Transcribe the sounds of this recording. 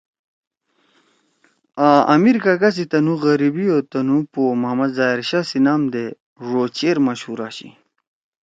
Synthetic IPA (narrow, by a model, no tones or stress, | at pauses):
aɐ̰miɾkakas̬it̪ɐnuɣɐɾibiot̪ɐnupoːmɐmɐd̪zaːiɾɕaːsinaːmd̪e | ʐoːt͡ɕeːɾmɐɕhuɾaːɕḭ